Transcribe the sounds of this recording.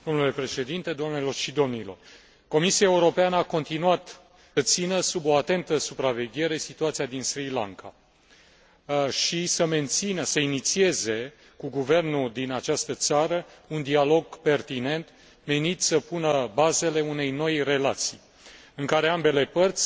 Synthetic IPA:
d̪o̞mnule̞pɾe̞ʃe̞d̪int̪e̞d̪oamnelo̞rʃid̪o̞mnilo̞̰r | ko̞misiae̞uɾo̞peanəako̞nt̪inuat̪ | ət̪sinəsubo̞at̪e̞nt̪əsupɾave̞ɡʲe̞ɾe̞sit̪uat̪siad̪insɾila̰ŋka̰ | ʃisəme̞nt̪sinəsəinit̪sie̞ze̞ | kuɡuve̞rnuld̪inat͡ʃast̪ət̪saɾəund̪ialo̞ɡpe̞rt̪ine̞nt̪ | me̞nit̪ʲsəpunəbaze̞le̞une̞jno̞jre̞lat̪sij | ɨŋkaɾe̞ambe̞le̞pərt̪sʲ

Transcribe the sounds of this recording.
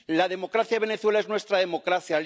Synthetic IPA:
laðe̞mo̞kɾaθjaβe̞ne̞θwe̞lae̞znwe̞st̪ɾaðe̞mo̞kɾaθjal

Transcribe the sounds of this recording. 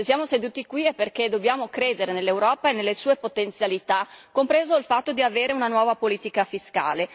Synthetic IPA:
sjaːmosed̪uːt̪ikwiɛpːerked̪objaːmokɾeːd̪eɾenelːewɾɔːpaenelːesuːepot̪ent̪sjalit̪akompɾeːzoilfat̪ːod̪iaveːɾeunanwɔːvapoliːt̪ikafiska̰ːle

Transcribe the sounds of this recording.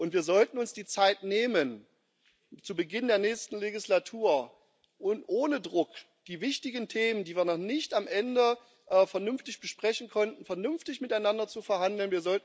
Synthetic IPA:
ʔʊntv̥iːɐzɔltn̩ʊnsd̥iːt͡saɪtneːmən | t͡subəɡɪndeːɐnɛːçstn̩leɡɪslatʰuːɐ | ʔʊntʔoːnədʁʊk | d̥iːvɪçtɪɡn̩tʰeːməndiːviːɐnɔχnɪçtamʔɛndə | ʔːfɛɐnʏnftɪçb̥əʃpʁ̥ɛçn̩kʰɔntn̩fɛɐnʏnftɪçmɪtaɪnandɐt͡sufɛɐhandl̩nviːɐzɔlt

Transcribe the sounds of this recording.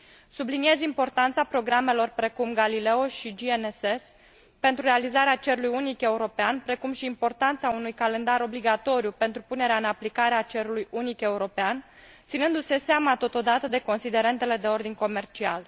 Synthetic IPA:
sublinie̞zimpo̞rt̪ant̪sapɾo̞ɡɾame̞lo̞rpɾe̞kumɡalile̞oʃid͡ʒieneses | pe̞nt̪ɾuɾe̞alizaɾeat͡ʃe̞ɾulujunike̞uɾo̞peanpɾe̞kumʃiːmpo̞rt̪ant̪saunujkale̞nd̪aɾo̞bliɡat̪o̞ɾjupe̞nt̪ɾupune̞ɾeaɨnaplikaɾeat͡ʃe̞ɾulujunike̞uɾo̞pean | t̪sinɨnd̪use̞seamat̪o̞t̪o̞d̪at̪əd̪e̞ko̞nsid̪e̞ɾe̞nt̪e̞le̞d̪e̞o̞rd̪inʲko̞me̞rt͡ʃia̰l

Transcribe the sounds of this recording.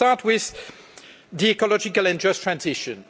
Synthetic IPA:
aɹt̚wɪð | diɛkɔlɔd͡ʒɪkəlɛ̃nd͡ʒʌstʰɹ̥æ̃nzɪʃɨ̃n

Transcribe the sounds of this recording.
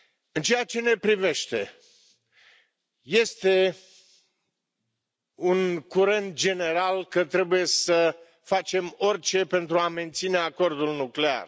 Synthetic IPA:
ɨnt͡ʃejat͡ʃe̞ne̞pɾive̞ʃt̪e̞ | je̞st̪e̞ | unkuɾe̞nt̪̚d͡ʒe̞ne̞ɾalkət̪ɾe̞buje̞sə | fat͡ʃe̞mo̞rʲt͡ʃe̞pe̞nt̪ɾuame̞nt̪sine̞ako̞rd̪ulnukle̞a̰r

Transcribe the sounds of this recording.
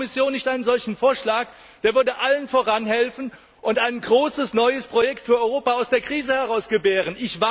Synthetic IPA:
mɪsjoːnːɪçtʔaɪnənzɔlçn̩foːɐʃlaːk̚ | d̥eːɐvʏɐdəʔalənfoːʁanɦɛlfn̩ | ʔʊntaɪnɡʁoːsəsnɔʏəspʁ̥ojɛktfyːɐʔɔʏʁoːpaaʊsd̥eːɐkʁ̥iːzəhɛʁaʊsɡ̥əbeːʁ̞ənʔɪçva

